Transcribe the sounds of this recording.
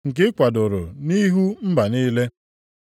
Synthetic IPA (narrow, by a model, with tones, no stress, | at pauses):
ŋ̩˨k̬ɪ˦kʷa˨dʊ˨ɾʊ˨ni˦ɦu˦m̩˦ba˨niː˦le˦